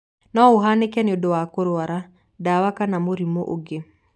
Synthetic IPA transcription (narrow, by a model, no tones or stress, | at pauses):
nɔoɦanekɛneodowakoɾwaɾa | dawakanamoɾimoʔoɡe